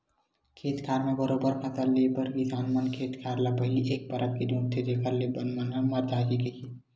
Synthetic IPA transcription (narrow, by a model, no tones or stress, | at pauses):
kʰet̪kʰaɾmebəɾobəɾpʰət̪əɾlebəɾɡisanmənkʰet̪kʰaɾlapəɦiliʔek̚pəɾʔək̚kedũʈt̪ʰed̪ekʰəɾlebənmənɦəməɾd͡ʒ̪ad͡ʒikeki